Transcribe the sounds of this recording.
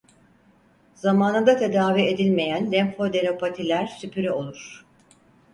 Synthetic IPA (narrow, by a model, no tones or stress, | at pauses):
zamaːnɯd̪at̪ʰe̞d̪aːvie̞d̪ilʲme̞jænlʲɛmfod̪e̞no̞pʰat̪ʰilʲæɾsypʰyɾɛo̞lˠuɾ̥